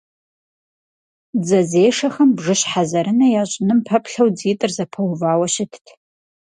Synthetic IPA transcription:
d͡zɐzeːʂɐxɐmbʐɨɕħazɐɾɨnɐjaːɕʼɪnɨmpʰɐpɬɐwd͡ziːtʼɨrzɐpʰɐwvaːwɐɕɪtʰtʰ

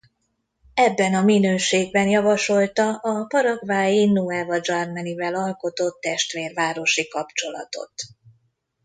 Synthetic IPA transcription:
ɛbːɛnɒminøːʃeːɡ̚bɛnjɒvɒʃo̞lt̪ɒʔɒpɒɾɒɡvaːjinuɛvɒd͡ʒɒrmɛnivɛlɒlko̞t̪o̞t̪ːɛʃt̪ʋeːrvaːɾo̞ʃikɒpt͡ʃo̞lɒ̰t̪o̞̰t̪

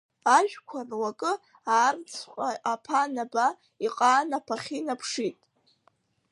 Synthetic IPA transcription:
aʒᶣkʷʰarwakʼɨ | aːrt͡sʰqʷʼaapʰanaba | iqʼaːnapʰaχʲinapʰʂitʼ

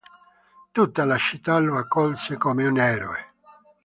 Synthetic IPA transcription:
t̪ut̪ːalat͡ʃit̪ːaloakːɔlsekomeunɛɾoe

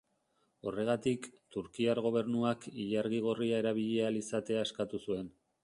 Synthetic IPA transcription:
o̞re̞ɣ̞at̪ikt̪uɾkiaɾɣo̞β̞e̞ɾnuakiʎaɾɣiɣ̞o̞riae̞ɾaβ̞iʎealisat̪e̞ae̞skat̪usue̞n

